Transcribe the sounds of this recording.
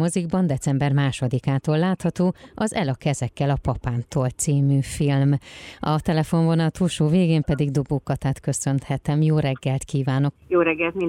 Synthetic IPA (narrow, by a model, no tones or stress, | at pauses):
moziɡbɒnd̪ɛt̪sɛmbɛrmaːʃo̞d̪ikaːt̪oːlːaːt̪hɒt̪oːɒzɛlɒkɛzɛkːɛlɒpɒpaːnt̪oːlt̪siːmyːfilmɒt̪ɛlɛfo̞ɱvonɒt̪uːlʃoːveːɡeːmpɛd̪iɡd̪oboːkːɒt̪aːt̪kø̞sø̞nt̪hɛt̪ɛmjoːɾɛɡːɛlt̪kiːvaːno̞kjoːɾɛɡːɛlt̪mi